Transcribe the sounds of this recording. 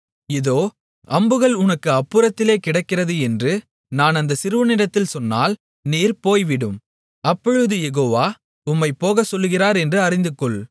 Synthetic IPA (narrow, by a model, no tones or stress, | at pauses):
ɪðoː | ʔɐmbɯɣɐɭʊnɐkːɯɐpːɯɾɐt̪ːɪleːkɪɽɐɪkːɪrɐðɯɛndrɯ | naːnɐnd̪ɐsɪɾɯʋɯnɪɽɐt̪ːɪlsɔnːa̰ːl | niːɾpoːjʋɪɽɯm | ɐpːɔɻɯðɯjɛɣoːʋaː | ʊmːɐɪpːoːɣɐsɔlːɯɣɪraːɾɛndrɯɐɾɪnd̪ɯkːɔɭ